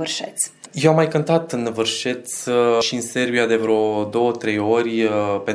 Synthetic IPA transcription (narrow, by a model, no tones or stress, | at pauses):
ɨrʃet̪sʲjewamːajkənt̪at̪ɨnvɨrʃe̞t̪sʲʃiɨnse̞rbiad̪evɾeod̪o̞wət̪ɾe̞jo̞rʲpe